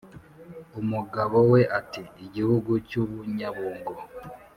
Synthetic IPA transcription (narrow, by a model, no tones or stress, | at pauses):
umuɡaβoweʔatiːɟihuɡucuβuɲaβuːŋɡo